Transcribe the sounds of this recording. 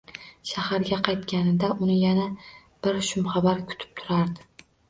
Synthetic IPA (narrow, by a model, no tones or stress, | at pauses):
ʃahaɾɡʲaqʰɑjt̪kʲanɪd̪aʔʊnɪjana | b̥ɪɾʃʊmχɑbaɾkʲʰʊ̥t̪ʰɪ̥p̚t̪ʰʊɾaɾd̪ɪ